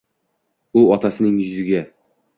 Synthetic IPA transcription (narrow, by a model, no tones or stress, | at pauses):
ʊɒt̪ʰasɪnɪŋjɵzɪɡʲa